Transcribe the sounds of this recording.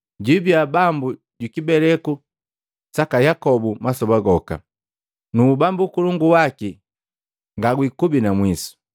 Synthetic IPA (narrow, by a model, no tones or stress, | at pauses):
ɟibjabambu | ɟukibɛlɛku | sakajakɔbumasɔbaɡɔka̰ | nuːbambukuluŋɡuwaki | ŋɡaɡwikubinamwisu̥